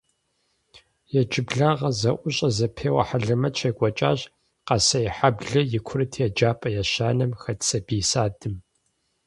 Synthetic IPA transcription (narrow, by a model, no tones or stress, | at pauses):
jɛt͡ʃʼɪbɮaːʁɐzɐʔʷʊɕʼɐzɐpʰeːwɐ̰ħaɮɐmɐt͡ʃʰɐkʷʼɔt͡ʃʼaːɕ | qɐsɐjɛħabɮɐjɪkʷʰʊɾɨtʰjɛd͡ʒaːpʼɐjaɕaːnɐmxɐtsɐbiːsaːdɨm